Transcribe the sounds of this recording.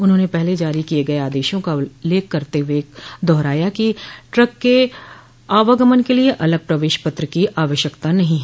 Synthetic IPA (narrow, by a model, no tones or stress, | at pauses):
ʊnɦõnepɛɦled͡ʒaːɾikieɡɐeaːd̪eːʃõkaleːkːɐɾt̪ewed̪ɔːɾaːjakiʈɾɐkːe | aːʋəɡəmənkelieʔɐləɡ̚pɾɐʋeːʃpɐt̪ɾəkiʔaːʋəʃjəkt̪anɐɦĩɦɛ